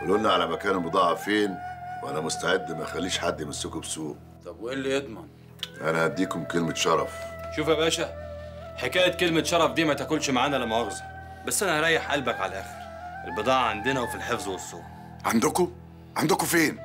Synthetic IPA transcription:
ʔælolnːæʕalæmækæːnelbɨd̪ˤɑːʕɑfeːnwʔænæmʊst̪aʕed̪ːmæjxælːiːʃħad̪ːjemæsːɪkobsuːq | t̪ˤɑbwʔelːijed̪ˤmɑn | ʔænæʔæd̪ːiːkomkelmæt̪ʃɑɾˤɑfʃuːfæbæːʃæħekæːjæt̪̚kelmæt̪ʃɑɾˤɑfd̪iːmæt̪ækolʃmaʕaːnælæmːæʔɑɣzɑ | bæsːʔænæʔɑɾˤæːjːeħʔælbækʕalæʔæːxeɾ | ʔelbɨd̪ˤɑːʕɑʕand̪enæwfilħefzwesˤːuː | ʕand̪oko | ʕand̪okofeːn

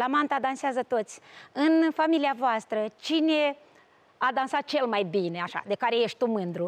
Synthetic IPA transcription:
lamant̪ad̪anseazət̪o̞t̪sʲɨnfamiliavoast̪ɾət͡ʃine̞ | ad̪ansat̪̚t͡ʃe̞lmajbine̞aʃa̰d̪e̞kaɾe̞je̞ʃt̪̚ʲt̪umɨnd̪ɾu

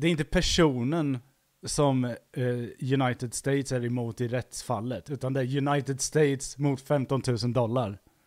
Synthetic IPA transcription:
d̪ɛɾɪnt̪əpʰæʂuːnən | sɔm | jɵnajt̪ɪd̪st̪eɪt̪sæɾɪmuːt̪ɪɾɛt̪sfalːət̪ʉ̟ːt̪and̪ɛæɾjɵnajt̪ɪd̪st̪eɪt̪smʊt̪fɛmt̪ɔnt̪ʰʉ̟ːsənd̪ɔlːaɾ

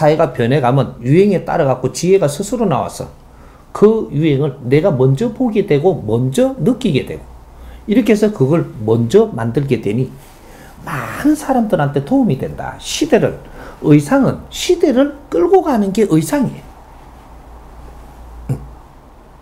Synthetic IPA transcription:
sʰaiɡapjʌnɦeɡamjʌnjuɦeŋe̞t͈a̰ɾaɡak͈ot͡ɕiɦe̞ɡasʰusʰɯɾona̰wa̰sʰʌ̰ | kɯjuɦeŋɯɭne̞ɡamʌnd͡ʑʌpoɡe̞dwe̞ɡomʌnd͡ʑʌnɯk͈iɡe̞dwe̞̰ɡo | iɾʌkʰe̞sʰʌkɯɡʌɭmʌnd͡ʑʌmandɯɭɡe̞dwe̞ɲi | manɯnsʰaɾamdɯɾɦantʰe̞tʰoumidwe̞̰nda̰ɕʰide̞ɾɯɭɯjsʰaŋɯnɕʰide̞ɾɯɭk͈ɯɭɡoɡanɯnɡe̞ʔɯjsʰaŋe

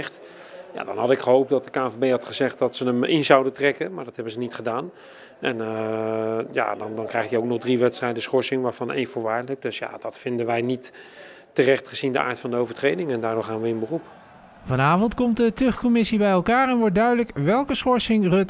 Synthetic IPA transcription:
χt | ja̰ːdɑ̰nɦɑdɪkχəɦowp̚dɑt̚dəkaːvebejɦɑtχəzɛχt̚dɑtsənəmɪnzɑwdəntrɛkəmaːɹdɑthɦɛbənzənitχədaːn | ɛn | ja̰dɑndɑnkrɛjχtjəowk̚nɔχdriʋɛtstrɛjdəsχɔɹsɪŋʋaːɹvɑnḛjnfʊːɹʋaːɹlək̚dɵsja̰d̥ɑtfɪndənʋɛjnitː | ərɛχtχəzindəʔa̰ːɹtfɑndəowvəɹtrejdɪŋɛndaːɹdʊːɹχaːnʋəɪnbərup | vɑnaːvɔntkɔmtdətɵχkɔmɪsibɛjɛlˠkaːɹɛnʋɔɹt̚dœɥdələkʋɛlˠkəsχɔɹsɪŋrøt

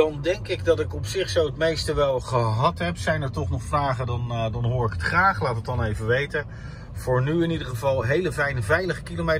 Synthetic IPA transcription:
dɑndɛŋkɪɡdɑtɪkɔpsɪχsowətmejstəʋɛlˠχəɦɑtɦɛpsɛjnɛɹtɔχnɔχfraːχədɑndɑnɦʊːɹɪkətχraːχlaːtətɑnejvəʋejtə | v̥ʊːɹnyɪnidəχəvɑlˠɦejləvɛjnəvɛjləχəkilome

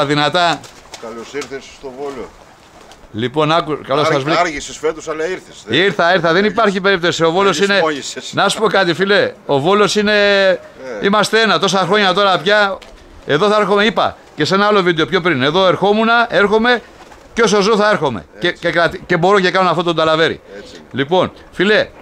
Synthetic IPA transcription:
ðinɐt̪ɐkɐlosiɾθesst̪ovolo | lipo̞nɐkukɐlossɐzvliisesfeɾt̪usɐlɐiɾθesiɾθɐiɾθɐðe̞nipɐɾçipe̞ɾip̚t̪osio̞vo̞losine̞nɐsu̥po̞kɐt̪ifileo̞vo̞lo̞sine̞ | imɐst̪ee̞nɐt̪o̞sɐxɾo̞ɲɐt̪o̞ɾɐpçɐ | e̞ðo̞θɐeɾxo̞me̞ipɐ̰ | ce̞se̞nɐɐlo̞vid̪eopço̞pɾine̞ðo̞e̞ɾxo̞munɐʔe̞ɾxo̞me̞ | co̞s̬ozoθɐe̞ɾxo̞me̞̰cecekɾɐt̪ice̞bo̞ɾocekɐnonɐft̪ot̪ond̪ɐlɐve̞ɾḭlipo̞n | file̞

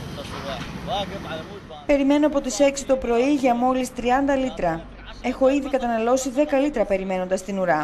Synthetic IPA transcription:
pe̞ɾime̞noɐpo̞t̪ise̞ksi̥t̪o̞pɾo̞iʝɐmo̞list̪ɾiɐnd̪ɐlit̪ɾɐ | e̞xo̞iðikɐt̪ɐnɐlo̞siðe̞kɐlit̪ɾɐpe̞ɾime̞no̞nd̪ɐst̪inuɾɐ

